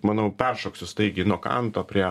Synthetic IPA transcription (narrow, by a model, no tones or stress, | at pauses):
mɑːnoʊpʲɛrʃoːksʲʊst̪ɐɪɡʲɪnuɔkɐ̰nt̪oːpʲɾʲiɛ